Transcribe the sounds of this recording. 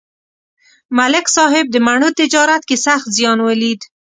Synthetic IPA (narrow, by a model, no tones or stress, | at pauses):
malɪksɑɦɪb̚d̪əmaɳət̪ɪd͡ʒɑɾat̪kesaxt̪zjɑnwəlid̪